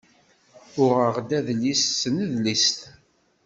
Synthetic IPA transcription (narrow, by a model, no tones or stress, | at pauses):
ʊʁəʁd̪æðlissənəðlist̪